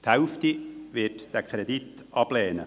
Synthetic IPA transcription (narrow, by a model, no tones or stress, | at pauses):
t̪hɛwftiʋɪtd̥ækʰɾɛdit | ɑb̥lɛːnə̰